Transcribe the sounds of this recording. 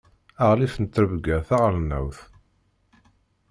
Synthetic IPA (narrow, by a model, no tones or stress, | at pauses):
æʁlifnət̪ːɾəvɡæθaʁɾnːæ̰wθ